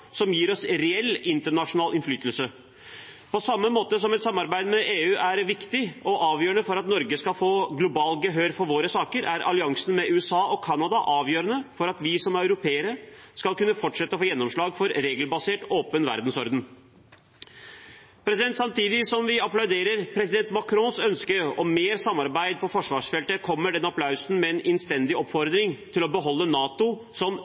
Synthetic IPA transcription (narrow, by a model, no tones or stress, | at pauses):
sɔmjiːɾɔsɾɛɛlːɪnt̪əɳɑʂʊnɑːlɪnflyːt̪əlsə | pʰɔsɑmːəmoːt̪əs̬ɔmɛt̪sɑmːɑɾbæɪd̪əmɛʔeːʉːʔæɾʋɪkt̪ɪɔʔɑːʋjøːɾəɳəfɔɾɑt̪nɔɾɡəskɑfoːɡlʊbɑːlɡəɦøːɾfɔɾʋoːɾəsɑːkəɾʔæɾʔɑ̰lɪɑŋsnmɛʉːɛsɑːʔɔkʰɑnɑd̪ɑʔɑːʋjøːɾənəfɔɾɑt̪ʋɪsɔmæɾɑʉɾʊpʰeːəɾəskɑlkʉnːəfɔʈʂɛt̪ːəfoːjɛnːɔmʂɭɑːɡfɔɾɾeːɡəlbɑseːʈoːpənʋæ̰ɾd̪n̩sɔɾd̪n̩ | pʰɾɛs̬ɪd̪ɛnt̪sɑmt̪ʰiːd̪ɪsɔmʋɪɑplɑʉd̪eːɾəɾpʰɾɛsɪd̪ɛnt̪mɑkʰɾɔnsœnskəɾɔmːeːɾsɑmːɑɾbæɪd̪̚pʰɔfɔʂʋɑːʂfɛlt̪əkʰɔmːəɖɛnɑpʰlɑʉsn̩mɛːnɛnst̪ɛnd̪ɪʔɔpːfɔɾd̪ɾɪŋt̪ʰɪlɔbəɦɔlːənɑːt̪ʊ | sɔm